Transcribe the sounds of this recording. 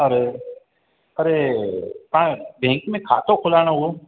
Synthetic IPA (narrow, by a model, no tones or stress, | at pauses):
əɾe | əɾe | pãbʱɛ̃ːŋkmẽkʰa̰ːt̪okʰʊlaːɽ̃aɦuo